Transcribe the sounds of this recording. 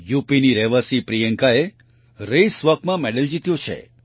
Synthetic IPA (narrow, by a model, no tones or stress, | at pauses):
jupiniɾɛʋəsipɾijəŋkae | ɾəjsʋəkmãmɛɽəld͡ʒit̪jot͡ʃʰḛ